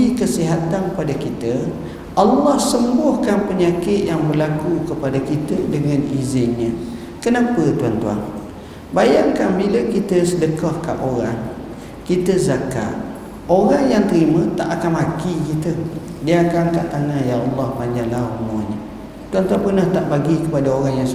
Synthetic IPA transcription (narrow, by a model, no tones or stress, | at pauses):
ikəsiɦat̪anəpadakit̪ə | ʔɑlːɑhsəmbʊhkanpəɲakɪt̪jaŋbərlakukəpadakit̪ədəŋanizɪnɲə̃ | kənapət̪uant̪ua̰ŋ | bajaŋkanbiləkit̪əsədəkɔhka̰ʔoɾaŋ | kit̪əzaka̰ʔ | oɾaŋjaŋt̪əɾimə̃t̪aʔakanmakikit̪ədiaakankaʔt̪aŋajaɑlːɑhpaɲd͡ʒalaumɔɲə | t̪uant̪uwaŋpərnaht̪aʔbaɡikəpadaoɾaŋjaŋs